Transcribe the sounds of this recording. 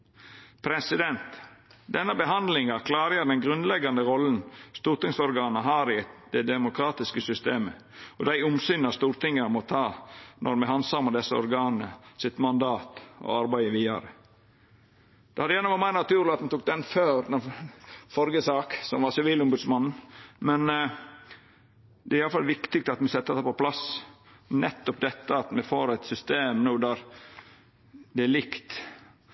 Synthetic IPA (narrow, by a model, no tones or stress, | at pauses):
pʰɾɛsɪd̪ɛnt̪d̪ɛnːəbəɦɑnd̪lɪŋɑkʰlɑːɾəəd̪ɛnɡɾʉnlɛɡɑnəɾɔln̩st̪uːɾt̪ɪŋsɔɾɡɑːnəɦɑːɾɪd̪ɛd̪ɛmʊkʰɾɑːt̪ɪskəsʏst̪eːmə̰ | ɔd̪æɪʊmsynɑst̪uːɾt̪ɪŋːəəmɔt̪ʰɑːnʔɔɾmɛhɑnsɑməd̪ɛsːəɔ̰ɾɡɑːnəsɪt̪mɑnd̪ɑːt̪ɔ̰ɑɾbæɪəʋiːɑɾə | d̪̥ɛhɑd̪əjæːnəʋɑɾmæɪnɑt̪ʉːɾlɪɑt̪mɛt̪uk̚d̪ɛnføːɾɛ | fɔɾɡəsɑːksɔmʋɑsɪʋiːlʊmbʉd̪smɑnn̩mɛn | d̪ɛæɾɪjɑləfɑlʋɪkt̪ɪɡ̚t̪ɑt̪mɛsɛt̪ːət̪ɑpɔpʰlɑs | nɛt̪ːɔpd̪ɛt̪ːəɑt̪mɛfoːɾæɪt̪sʏst̪eːmnuːd̪æɾ | d̪ɛælɪkt̪